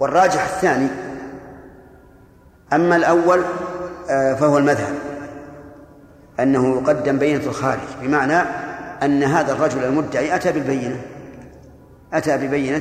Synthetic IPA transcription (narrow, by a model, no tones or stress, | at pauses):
wɑrˤːɑːd͡ʒɪħaθːaːni | ʔamːalʔawːal | fahʊwalmaðha̰b | ʔanːahʊjʊqɑd̪ːɪmbajːɪnalxaːɾɪ̰d͡ʒbɪmaʕnaʔanːaɦaːðarˤːɑd͡ʒʊlalmʊd̪ːaʕiːʔat̪aːbɪlbajːɪna | ʔat̪aːbɪbajːɪna